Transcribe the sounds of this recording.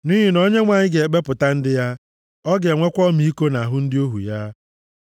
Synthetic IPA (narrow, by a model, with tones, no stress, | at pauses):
ni˦ɦi˨no˦ɲe˦ŋʷa˨ɲɪ˦ɡe˨ɡ͡be˦pʊ˨ta˦n̩˦dɪ˦ja˦ | ɔ˦ɡe˨ŋʷe˦kʷɔ˦mi˨i˦ko˦na˨ɦʊ˦n̩˦dɪ˦o˦ɦṵ˨ja˦